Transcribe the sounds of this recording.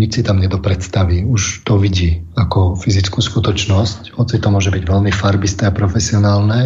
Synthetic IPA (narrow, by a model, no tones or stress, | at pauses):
ɲit͡ʃsit̪amɲɛd̪ɔpɾɛt̪st̪aʋiuʃt̪ɔʋiɟiːakɔfizit͡skuːskut̪ɔt͡ʃnɔschɔt̪t͡sit̪ːɔmʊɔʒɛbiɟʋɛʎmifaɾbist̪ɛapɾɔfɛsiɔnaːlnɛ